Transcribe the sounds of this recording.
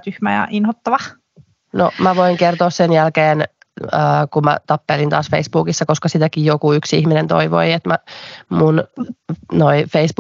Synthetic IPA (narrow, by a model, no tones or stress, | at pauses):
t̪yhmæjɑ̰ʔinhot̪ːɑʋɑ | no̰mæʋoiŋkert̪oːssenjælkeːn | əːkumæ̰t̪ɑpːelint̪ɑ̰ːsfeisb̥uːkisːɑkoskɑsit̪ækijjokuyksihminent̪o̰iʋo̰iet̪mæmun | noifeisb̥